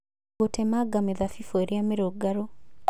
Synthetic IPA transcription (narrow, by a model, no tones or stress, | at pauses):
otemaɡameðafifoeɾjameɾoɡaɾo